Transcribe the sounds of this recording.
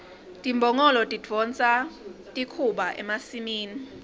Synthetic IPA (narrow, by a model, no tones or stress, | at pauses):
tʼimbʱɔŋɔlɔtʼid͡v̥ʱɔnt͡sʼa | tʼikʰuɓaʔɛ̰masimiːni